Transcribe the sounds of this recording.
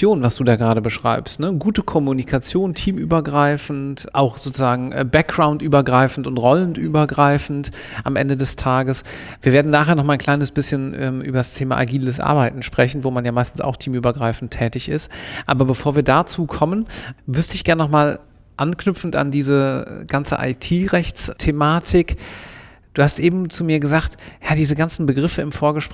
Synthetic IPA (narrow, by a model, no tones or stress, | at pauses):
joːnvasd̥uːdaːɡəʁaːɾəbəʃʁ̥a̰ɪpstnəɡuːtəkʰɔmunikʰat͡sjoːntʰiːmʔy̰ːbɐɡʁaɪfn̩tʔa̰ʊxz̥oːt͡suzaːɡŋ̩ʔɛ̰ːbɛk̚ɡʁaʊntʔyːbɐɡʁaɪfn̩tʊntʁɔlənʔyːbɐɡʁaɪfn̩t | ʔamʔɛ̰ndədɛstʰaːɡəs | viːɐveːɐdn̩naːχɦeːɐnɔχmalankʰl̥aɪnəsb̥ɪsçənʔɛ̰ːmʔy̰ːbɐdastʰeːma̰ʔa̰ɡiːləsʔa̰ɐbaɪtn̩ʃpʁ̥ɛçn̩voːmanjaːmaɪstn̩sa̰ʊxtʰiːmyːbɐɡʁaɪfn̩tʰːɛːtɪçɪ̰stʔa̰ːbɐbəfoːɐviːɐdat͡suːkʰɔmənvʏɐstəɪçɡ̥ɛɐnːnɔχmaːl | ʔanknʏpp͡fn̩ta̰ndiːzə̰ɡ̥ant͡sə̰ʔa̰ɪtʰiːʁɛçt͡stʰemaːtʰɪk | d̥uːhastʔeːbm̩t͡sumiːɐɡəzaːkthadiːzəɡant͡sn̩bəɡʁɪfəɪmfoːɐɡəʃp